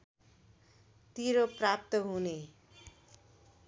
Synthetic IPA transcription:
t̪iɾoprap̚t̪ʌɦune

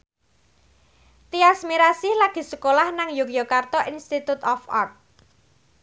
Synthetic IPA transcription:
t̪iasmiɾasilaɡ̥i̤səkolahnaŋjukiokart̪ɔʔinst̪it̪ut̪ɔfa̰rt̪̚

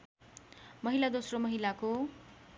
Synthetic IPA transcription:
mʌɦilad̪osromʌɦilako

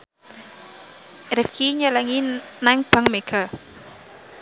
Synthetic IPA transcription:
ɾɪfkʰiɲəlaŋinaŋb̥a̤ŋmeɡ̥a

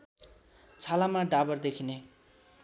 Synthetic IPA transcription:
t͡sʰalamaɖabʌrd̪ekʰine

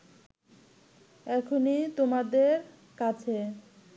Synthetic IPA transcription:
ɛkʰonit̪omad̪eɾ | kat͡ɕʰe

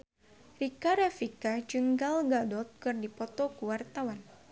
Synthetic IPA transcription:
rikaɾafikad͡ʒɨŋɡalɡadɔt̪̚kɨrdipɔt̪ɔkuwart̪awan

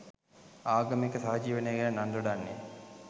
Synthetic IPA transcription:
aːɡɐmekəsaɦɐd͡ʒiːʋənejɡenənand̪oɽanːe

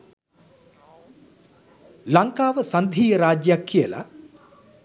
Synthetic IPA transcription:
laŋkaːʋəsɐnd̪ʱiːjəɾaːd͡ʒjəjakːijəla̰

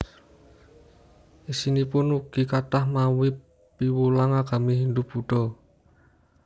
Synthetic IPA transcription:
isinipʊnuɡ̥i̤kat̪ahmawɪpː | iwulaŋaɡ̥a̤miɦind̪ʊb̥uɖ̥ɔ

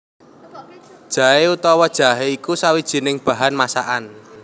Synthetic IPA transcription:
d̥ʒ̥ä̤ɦeut̪ɔwɔd̥ʒ̥a̤ɦeikusawid̥ʒ̥i̤nɪŋb̥ä̤ɦanmasa̰ʔan

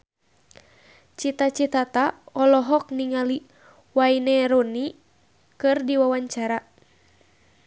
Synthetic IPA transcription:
t͡ʃit̪at͡ʃit̪at̪aɔlɔɦɔk̚niŋali | wainɛɾoni | kɨrdiwawaɲt͡ʃaɾa

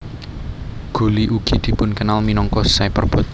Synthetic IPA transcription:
ɡ̥o̤liʔuɡ̥i̤d̪̥i̤pʊnkənalminɔŋkɔsaepərb̥ɔ̤t̪̚

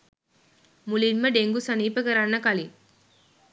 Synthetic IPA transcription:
mʊlinmɐɖeŋɡusɐniːpɐɣɐɾanːɐkɐli

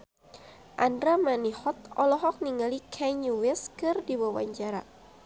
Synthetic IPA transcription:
ʔandɾamanihɔt̪̚ɔlɔɦɔk̚niŋalikʰɛɲuwɛskɨrdiwawa̰ɲd͡ʒaɾa

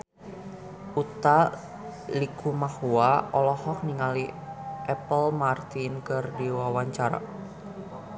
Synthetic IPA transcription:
ʔut̪a | likʰumahuaɔlɔhɔk̚niŋaliʔɛpəlmart̪inkɨrdiwawaɲt͡ʃaɾa̰

